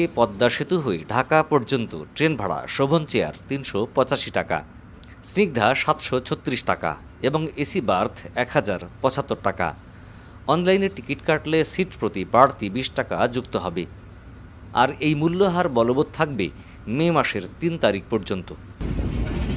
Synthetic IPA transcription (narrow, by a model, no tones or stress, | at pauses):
epɔd̪ːaʃit̪oɦoeɖʱakapɔɾd͡ʑont̪o̰ʈɾenbʱaɽa̰ʃobʱont͡ɕea̰ɾt̪inʃopɔt͡ɕaʃiʈaka̰ | sniɡ̚d̪ʱaʃat̪ʃot͡ɕʰot̪ːɾiʃʈaka̰ | eboŋesibaɾt̪ʰɛkhad͡ʑaɾpɔt͡ɕat̪ːoɾʈaka̰ | ɔnlajneɾʈikiʈkaɾʈlesiʈpɾot̪ipaɽt̪ibiʃʈaka̰d͡ʑukt̪oɦɔbe | a̰ɾejmulːoɦaɾbɔlobot̪̚t̪ʰːak̚bḛ | memaʃeɾt̪int̪aɾik̚pɔɾd͡ʑont̪o